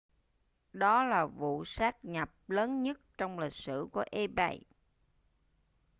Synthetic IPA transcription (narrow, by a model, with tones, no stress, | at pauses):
ɗɔ˨˦laː˨˩vṵ˧˨saː˦˥k̚ɲa˨˩p̚ləː˨˦nɲə˦˥t̚t͡ɕɔ˧wŋ͡mli˨˩k̚sɨ̰˧˩ku˧˩əʔe˧ɓa̰˧˩j